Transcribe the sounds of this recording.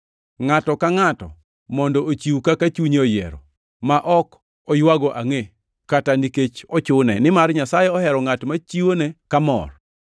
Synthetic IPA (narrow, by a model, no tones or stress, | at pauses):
ŋatɔkaŋatɔ̰ | mɔndɔʔot͡ʃiwukakat͡ʃuɲeojɛ̰ɾɔ̰ | maʔɔk | ɔjwaɡɔʔaŋe | kataniket͡ʃɔt͡ʃʊnɛ̰nɪmarɲasajɛɔhɛɾɔŋatmat͡ʃiwonekamɔ̰r